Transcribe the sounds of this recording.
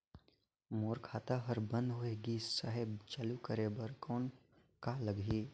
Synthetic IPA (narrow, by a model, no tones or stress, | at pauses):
moːɾkʰaːt̪aɦəɾbə̃nd̪ɦoeɡisəɦəbt͡ʃalukəɾebəɾkɔːn | kaləɡɦiː